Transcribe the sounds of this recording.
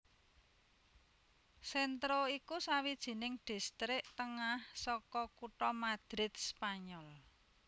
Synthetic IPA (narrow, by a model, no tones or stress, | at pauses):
sɛnt̪ɾoikusawid̥ʒ̥i̤nɪŋɖ̥i̤st̪ɾɪʔt̪əŋahsɔkɔkuʈɔmad̪̥ɾɪt̪̚spaɲɔl